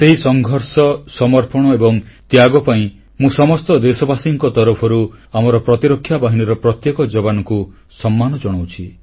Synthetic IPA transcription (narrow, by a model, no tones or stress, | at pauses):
seɦisɔŋɡʱɔɾsɔsɔmɔɾpɔɽ̃ɔebɔŋt̪jaɡɔpaĩ | mũsɔmɔst̪ɔd̪esɔbasiŋkɔt̪ɔɾɔpʰɔɾuamɔɾɔpɾɔt̪iɾɔkʰːjabaɦiniɾɔpɾɔt̪jekɔd͡ʒɔbanɔku | sɔmːanɔd͡ʒɔɽ̃ɔwt͡ʃʰi